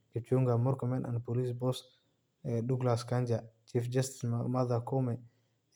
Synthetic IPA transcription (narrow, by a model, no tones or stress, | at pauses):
ɛt͡ʃuŋɡamɔɾkɔmɛnʔa̰npolisbɔs | ɛɗuɡlaskaɲd͡ʒat͡ʃifd͡ʒastinmad̪akɔmɛ